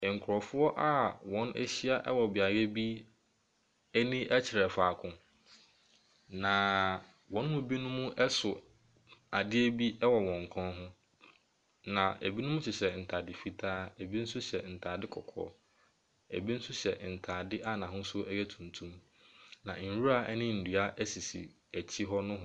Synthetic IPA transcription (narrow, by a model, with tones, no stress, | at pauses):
ŋ̩˨kʰɾɔ˨fʊ˦ɔ˦ʔa˦wɔ̃˨˦nɛ̰˦ɕi˦a˦ʔɛ̰˦wɔ˨bɪ˨a˨ɾe˦bi˦ | ɛ˦nĩ˦ʔɛ˦t͡ɕʰɪ˨ɾɛ˨faː˨kʰʊ̃˨ | nã˨ | wɔ̃˨n˦mʊ̃˦bi˦nʊ̃˦mũ˦ʔɛ˦sʊ˨ | a˨dɪ˦e˦bi˦ɛ˦wɔ˨wɔ̃˨ŋ̩˨kʰɔ̃˦nɦʊ̃˦ | nã˨æ̰˨bi˦nʊ̃˦mʊ̃˦t͡ɕʰɪ˨ɕɛ˨n̩˨tʰa˨dɪ˨fi˦tʰaː˦æ˨bi˦n̩˦sʊ˦ɕɛ˨n̩˨tʰaː˨dɪ˦kʰɔ˨kʰɔ̰˦ | æ̰˨bi˦n̩˦sʊ˦ɕɛ˨n̩˨tʰa˨dɪ˦ʔa˦nã˨ɦʊ̃˦sʊ˦ɛ˦jɛ˦tʰũ˨ntʰũ˦m | nã̰˨n̩˨wu˦a˦˨ʔɛ˦nɪ̃˦n̩˨du˨a˦ʔæ˦si˨sḭ˨ | æ˨t͡ɕʰi˦ɦɔ˦nʊ̃˦ɦʊ̃˦